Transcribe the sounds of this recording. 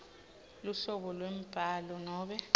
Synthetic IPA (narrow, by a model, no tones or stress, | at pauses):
luɬɔɓɔlwem̩b̥ʱaːlɔnɔːɓɛ